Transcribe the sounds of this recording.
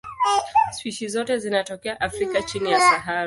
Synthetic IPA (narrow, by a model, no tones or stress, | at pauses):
swiʃizɔtɛzinatɔkɛaʔafɾikat͡ʃinijasaɦaɾ